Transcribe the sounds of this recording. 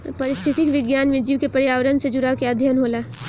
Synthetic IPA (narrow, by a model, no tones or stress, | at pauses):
pɐɾɪst̪ʰɪt̪ikʋɪɡjaːnmẽd͡ʒiːʋkepəɾjaːʋɾənsed͡ʒʊɾaːwkeəd̪ʱjənɦoːlaː